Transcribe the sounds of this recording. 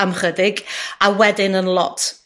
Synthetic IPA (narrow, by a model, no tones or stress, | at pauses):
amχədɪɡawɛdɪnənlˠɔ̰tʰ